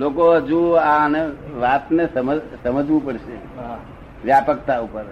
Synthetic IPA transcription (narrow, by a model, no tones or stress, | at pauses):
lokoɦəd͡ʒuaneʋat̪nesəməsəməd͡ʒʱʋũpəɽʃe | ʋjapəkt̪aupəɾ